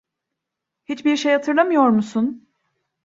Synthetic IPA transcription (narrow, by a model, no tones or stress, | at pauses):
hit͡ʃbiɾʃejhat̪ʰɯɾlˠamɯjo̞ɾmusun